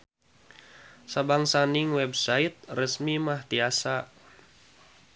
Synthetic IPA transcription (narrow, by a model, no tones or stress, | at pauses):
sabaŋsaniŋwɛbsait̪̚rəsmimaht̪iasa